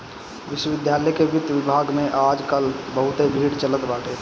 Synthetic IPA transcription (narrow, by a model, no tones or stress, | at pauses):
ʋɪʃwəʋɪd̪ʱjaːləjkeʋɪt̪ːʋɪbʱaːɡmẽʔaːd͡ʒkəlbəɦʊt̪ebʱiːɽt͡ʃələt̪baːʈʰe